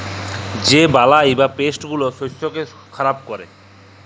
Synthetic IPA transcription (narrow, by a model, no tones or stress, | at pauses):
d͡ʑebalajebapesʈɡuloʃosːoke | kʰaɾab̚kɔɾḛ